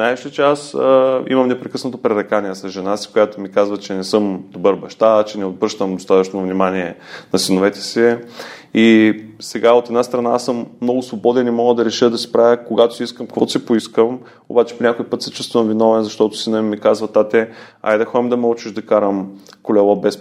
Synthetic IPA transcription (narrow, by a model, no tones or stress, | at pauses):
najʃət͡ʃɛasḭmɐmnɛpɾɛkəsnɐt̪opɾɛɾɛkaniɛsɐzʒɛnasi̥kojat̪omikazvɐt͡ʃɛnɛsɤmd̪obɤɾbɐʃt̪at͡ʃɛnɛod̪̚bɾɤʃt̪əmd̪ost̪at̪ət͡ʃnovnimaniɛnɐsinovɛt̪ɛ̥si | isɛɡaot̪ɛd̪nast̪ɾɐnasəmːnɔɡʊsvobɔd̪ɛnimɔɡəd̪ɐɾɛʃəd̪ɐsi̥pɾavʲjəkoɡat̪oʊ̥siiskəmkkvɔt̪sipoiskəm | o̰bat͡ʃɛ̥ponʲakojpɤt̪sɐ̥t͡ʃust̪vəmvinɔvɛnzɐʃt̪ɔt̪ʊ̥sinəmikazvɐt̪at̪ɛa̰jd̪ɐxɔimd̪ɐməut͡ʃiʒd̪ɐkaɾəmkolɛlˠɔbɛs